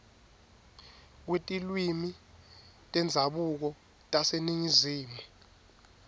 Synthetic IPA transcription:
wetʼilwimi | tʼɛnd͡zʱaɓuk̬ɔ | tʼaseniŋiziːmu

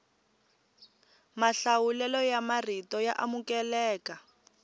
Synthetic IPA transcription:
maɬawulɛlɔjamaritɔjaʔamukɛlɛːka

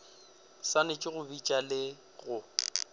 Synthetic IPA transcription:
sanɪt͡ʃʼɪɣʊbit͡ʃʼalɪ | ɣʊ

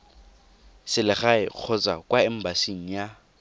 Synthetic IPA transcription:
sɪlɪχaɪq͡χʰɔt͡sʼa̰kwaɛm̩basiŋ̩ja

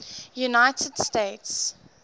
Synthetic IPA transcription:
junaɪtʰəd̥steɪts

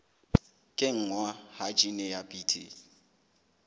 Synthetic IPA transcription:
kʼɪŋ̩ŋwahat͡ʃʼinɛjapʼiːtʰḭ

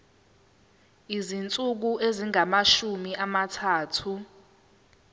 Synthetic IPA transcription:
izint͡sʼuk̬uʔeziŋamaʃumiʔamatʰaːtʰu

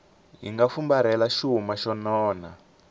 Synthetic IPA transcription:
ɦḭŋɡafumbaɾɛlaʃuɦumaʃɔnɔːna

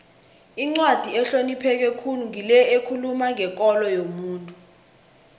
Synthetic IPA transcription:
iŋ͡ǀwad̥ʱiɛɬonipʰɛk̬ɛkʰunuŋilɛekʰulumaŋɛk̬ʼɔlɔjomuːntʼu

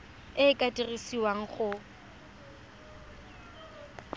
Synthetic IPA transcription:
ɪːkʼatʼirisiwaŋ̩χʊ

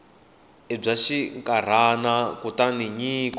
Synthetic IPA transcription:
ɛb͡ʐaʃiŋkʼaɾ̤anakutaniɲiːk

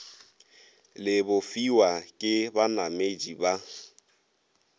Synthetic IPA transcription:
lɪbʊfiwakʼɪbanamed͡ʒiba

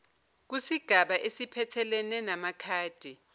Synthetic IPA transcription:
k̬usiɡ̥ʱaɓaʔesipʰɛtʰɛlɛnɛnamakʰaːd̥ʱi

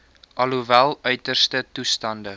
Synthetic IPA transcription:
ʔɐluvælˠœɥtərstətustɐndə

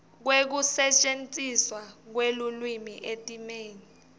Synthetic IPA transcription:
k̬wek̬usɛt͡ʃʼent͡sʼiswak̬welulwimiʔetʼimeːni

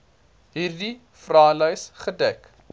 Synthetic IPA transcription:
ɦiːrdi | frɑːləjsχədɛk

